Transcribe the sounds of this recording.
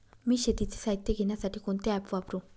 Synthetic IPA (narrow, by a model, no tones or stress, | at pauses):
miʃet̪it͡sːi̥sait̪ːeɡenasaʈʰikont̪eapːuapɾu